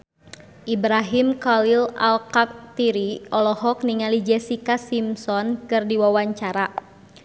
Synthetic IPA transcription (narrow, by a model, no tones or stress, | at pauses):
ʔibɾaɦimkalila̰lkak̚t̪iɾiɔlɔɦɔk̚niŋalid͡ʒɛsikasimsɔnkɨrdiwawaɲt͡ʃaɾa